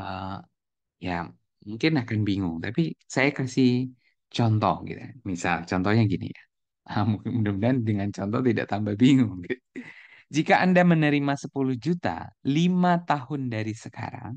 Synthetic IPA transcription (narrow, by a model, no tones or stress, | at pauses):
ə | ja | muŋkɪnakanbiŋʊŋt̪apisajakərsi | t͡ʃɔnt̪ɔhɡḭt̪ṵmisa̰lt͡ʃɔnt̪ɔhɲaɡinḭja | əmukədəmdandəŋant͡ʃɔnt̪ɔht̪ida̰ʔt̪ambahbiŋʊŋɡit̪ | d͡ʒikaʔandamənəɾimasəpulʊhd͡ʒut̪a̰limat̪aɦʊndaɾisəka̰ɾa̰ŋ